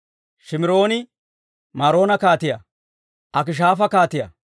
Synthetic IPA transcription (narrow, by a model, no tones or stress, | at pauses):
ʃɪmɪɾo̞ːnɪ | maːɾo̞ːnɐkaːt̪ɪjɐ̰ | ʔɐk̬ɪʃ̬aːfɐkaːt̪ɪjɐ̰